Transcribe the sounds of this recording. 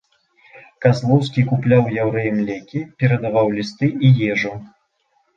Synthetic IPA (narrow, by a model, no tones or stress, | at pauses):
kazlˠɔws̬kʲikuplʲawjawɾɛjɛmlʲɛkʲipʲɛɾɐd̪avawlʲist̪ɨʔijɛʐu